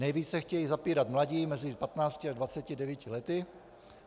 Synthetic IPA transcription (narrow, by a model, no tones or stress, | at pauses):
nɛjviːt͡sɛxcɛjizapiːɾat̪mlaɟiːmɛzɪpat̪naːt͡scɪadvat͡sɛcɪdɛvjicɪlɛt̪ɪ